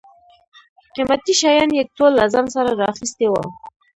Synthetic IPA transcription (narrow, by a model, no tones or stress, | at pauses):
qimat̪iʃajɑnjaɡ̚t̪olːazamsaɾaɾɑxist̪ewa̰w